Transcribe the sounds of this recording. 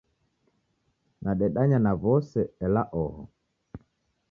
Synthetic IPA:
nʔaɗɛɗaɲanavɔsɛɛlaʔɔhɔ̰

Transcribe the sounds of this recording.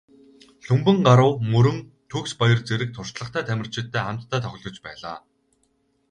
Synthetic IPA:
ɬɵmpɵ̆ŋɢaɾʊ̆wmɵɾɵ̆n | t̪ʰɵkspɔjɞ̆rt͡seɾɘ̆k̚t̪ʰʊr̥t͡ɕɮə̆χt̪ʰæːt̪ʰæmʲɪ̆r̥t͡ɕʰɪ̆t̪ːæːχam̥t̪ʰːæːt̪ʰɔxʲɪ̆ɮɞ̆t͡ɕpæːɮa̰ː

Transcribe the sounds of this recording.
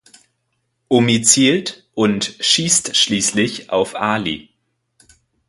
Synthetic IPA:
ʔomit͡siːlt | ʔʊntʃiːstʃliːslɪçʔa̰ʊfʔaːlḭ

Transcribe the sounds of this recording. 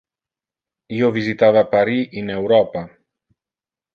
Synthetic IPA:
iovizit̪avapaɾiinewɾɔpa

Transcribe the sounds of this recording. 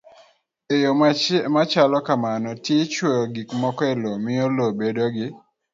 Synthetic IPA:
ejomamat͡ʃalɔkamanɔtjet͡ʃwɔɾɔɡikmɔkɔelomɪolobedoɡɪ

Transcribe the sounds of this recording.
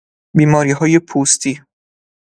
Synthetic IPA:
biːmɒːɾiːɦɒːjepʰuːst̪ʰiː

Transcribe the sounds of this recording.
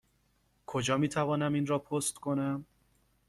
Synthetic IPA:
kʰod͡ʒɒːmiːt̪ʰævɒːnæmiːnrɒːpʰost̪kʰonæm

